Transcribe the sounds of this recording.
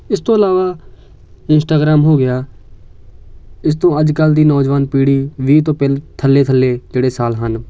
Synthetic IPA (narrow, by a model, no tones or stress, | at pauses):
ɪst̪õːəlaːʋaː | ɪnsʈaːɡɾaːmɦoːɡɪjaː | ɪst̪õːəd͡ʒkəld̪iːnɔːd͡ʒʋaːnpiːɽiːʋiːt̪̬õːpɛlt̪ʰəlːeːt̪ʰəlːeːd͡ʒeːɽeːsaːlɦən